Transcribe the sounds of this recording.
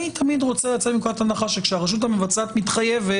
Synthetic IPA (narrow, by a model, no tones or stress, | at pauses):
it̪ʰamid̪ʁo̞t͡selat͡set̪mikoat̪anaχaʃekʃeaʁeʃ̬ut̪̬hamevat͡saːt̪mit̪χajeve